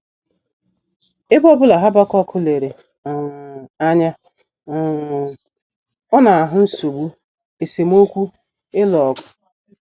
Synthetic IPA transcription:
e˦bɔ˦bʊ˦la˨ɦa˦ba˦kɔ˦kʰʊ˦le˨ɾe˨ | a˦ɲa˦˨ | ɔ˦na˨a˨ɦʊ˦n̩˦so˨ɡ͡bu˦ | e˨se˨m˦o˦kʷu˦ | ɪ˦lɔ˨kʊ̥˦

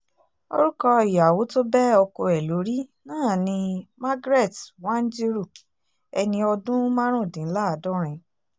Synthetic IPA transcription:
o̰˧ɾu˦kɔ˧i˨ja˨wo˨˦to˦bɛ˦ɔ˧ko˧ɛ˨lo˨˦ɾi˦nãː˦˨nĩ˧ma˦ɡɾɛ˦˨twã˦n̩˦d͡ʒi˦ɾu˦˨ | ɛ˧nĩ˧ɔ˧dũ˦mã˦ɾ̃ũ˦˨dĩ˨n̩˦la˦˨dɔ˦ɾ̃ĩ˧

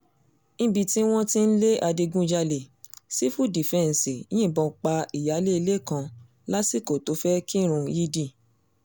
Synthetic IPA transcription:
ñ̩˦bi˧ti˦w̃ɔ̃˦tĩ˦n̩˦le˦ʔa˧di˧ɡũ˦d͡ʒa˧le˨si˦fu˦di˨fɛ˦˧˨n̩˨sĩ˨˦ĩ˦˨bɔ˧˨k͡pa˧i˨ja˨˦le˦i˧le˦˨kã˧ | la˦si˦ko˨to˨˦fɛ˦ki˦ɾ̃ũ˧ji˦di˦˨

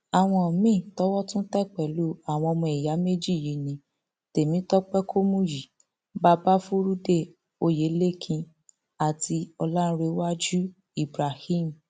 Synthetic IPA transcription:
a˨w̃ɔ̃˧ɔ˨mĩ˦˨tɔ˦wɔ˦tũ˦tɛ˦˨k͡pɛ˨lu˦a˨w̃ɔ̃˧ɔ˧mɔ̃˧˨i˨ja˨˦me˦d͡ʒi˦˨ji˨˦nĩ˧˦ | te˨mĩ˨˦tɔ˦k͡pɛ˦kʰo˦mũ˦ji˨ | ba˧ba˦fũ˦ɾu˦de˦˨ | o˧je˨˦le˦˨kʰĩ˧ | a˨tʰi˧ɔ˧lã˦ɾe˨˦wa˦d͡ʒu˦ | i˦˨bɾa˨hĩ˦˨m̩˨

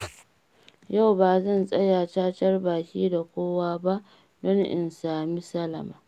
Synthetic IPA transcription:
ja˦˨wbaː˨zɐ˦˨nsʼɐ˦jaː˨t͡ʃaː˦tɐ˦rbaː˨kʲiː˦da˨kʷoː˦waː˦ba˦ʔ | dɔ˦ŋʔɪ̰˨nsaː˨mi˦sɐ˦lɐ̰˨ma̰ː˨

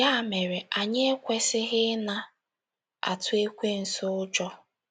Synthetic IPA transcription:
ja˦˨me˨ɾe˨a˨ɲe˦e˦kʷe˦sɪ˦ɣɪ˦na˦ | a̰˨tʊ˦e˦kʷe˦n̩˨sʊ˦ʊ˦d͡ʒɔ˦

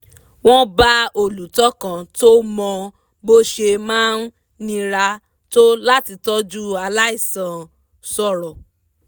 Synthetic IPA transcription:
w̃ɔ̃˦ba˦o˦˨lu˨˦tɔ˦kã˨to˦mɔ̃˧ | bo˦ʃe˧mãː˦n˦ | nĩ˧ɾa˧ | to˦la˦ti˧tɔ˦d͡ʒu˦a˧la˦i˦˨sã˨ | sɔ˦˨ɾɔ˨

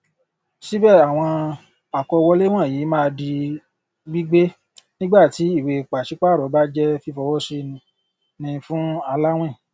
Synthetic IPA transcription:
ʃi˦bɛ˦˨a˨w̃ɔ̃˧ | a˨kɔ˧wɔ˦le˦w̃ã˦˨jiː˨˦mã˦˧di˧ | ɡ͡bi˦ɡ͡be˦ | nĩ˦ɡ͡ba˦˨ti˨˦i˦˨we˨k͡pa˨ʃi˨˦k͡pa˦˨ɾɔ˨˦ba˦d͡ʒɛ˦fi˦fɔ˧wɔ˦se˧ | nĩ˧fũ˦a˧la˦w̃ɛ̃˦˨

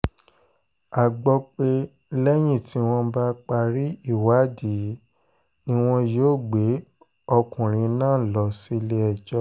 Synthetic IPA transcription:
a˨ɡ͡bɔ˧k͡pe˧˦ | lɛ˦j̃ĩ˦˨ti˨˧˦w̃ɔ̃˧ba˦k͡pa˧ɾi˦i˦˨wa˨˦di˨˦ | nĩ˦w̃ɔ̃˦jo˦˨ɡ͡be˨˦ | ɔ˧kũ˨ɾ̃ĩ˧˦nãː˦˨lɔ˧si˧le˧ɛ˦˨d͡ʒɔ˦

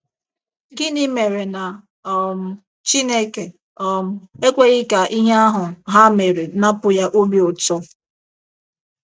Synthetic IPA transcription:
ɡɪ˦ni˦me˨ɾe˨na˨˦˨ | m̩˨ | t͡ʃi˦ne˦ke˨ | ɔ˦˨m̩˨e˦kʷe˦ɣɪ˦ka˨ʔi˦ɦe˦a˦ɦʊ˨ɦa˦me˨ɾe˨na˦pʊ˨ja˦ʔo˦bi˦o˨tɔ˦

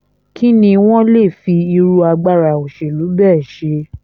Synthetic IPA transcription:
ki˦nĩ˧w̃ɔ̃˦le˦˨fi˧i˧ɾu˧a˧ɡ͡ba˧ɾa˨o˨ʃe˨lu˨˦bɛː˦˨ʃe˧

